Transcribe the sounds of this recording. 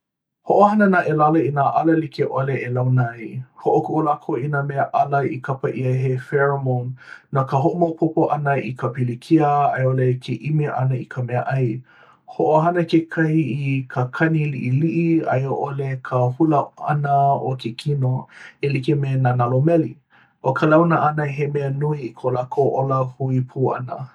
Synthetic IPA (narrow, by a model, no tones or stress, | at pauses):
hoʔohɐnənaʔelalɐinaʔalɐlikʰeʔoleelawnɐjhoʔokuʔolakʰoʔinameəʔaləikʰapɐʔiɐɦefɛɹmonːakəɦoʔomopʰopoʔɐnəikəpilikʰiəajolekʰeʔimeʔɐ̰nəikʰəmɛəʔɐj | hoʔoɦanəkekʰɐhiikʰəkʰɐniliʔiliʔiɐ̰joʔolekʰəhuləʔa̰nəokʰekʰinoelikimenanalomɛli | ʔokʰəlawnəʔɐnəɦemɛənuiikʰolakʰoʔoləhuipʰuːʔɐ̰nə̰